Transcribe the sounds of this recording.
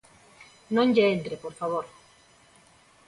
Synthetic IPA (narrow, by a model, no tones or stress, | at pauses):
nõɲɟeent̪ɾepoɾfaβoɾ